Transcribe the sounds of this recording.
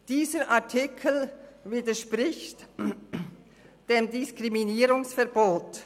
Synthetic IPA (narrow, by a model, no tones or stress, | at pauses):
d̥iːzəʔaɐtʰɪkʰl̩viːdəʃpʁɪçt | d̥eːmdɪskʁiminiːɾʊŋsfɛɐboːt